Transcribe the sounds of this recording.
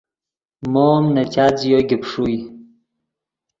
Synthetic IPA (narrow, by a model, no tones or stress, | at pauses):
momnɐt͡ɕat͡sjoɡipʂuj